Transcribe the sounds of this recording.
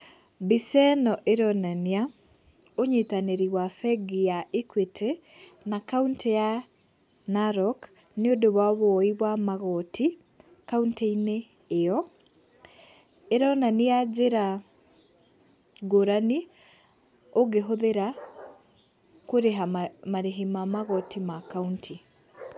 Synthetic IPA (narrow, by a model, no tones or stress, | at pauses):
bisɛnɔʔeɾɔnania | oɲetaneɾiwafɛɡijaʔekwetʰɛ | nakaunteja | naɾɔk | neodoβwaβoɔiβwamaɣɔtʰi | kaunteineː | jɔ | eɾɔnanead͡ʑeɾa | ɡoɾani | oɡeɦoðeɾa | koɾeɦamaɾeɦimamaɣɔtimakauntʰi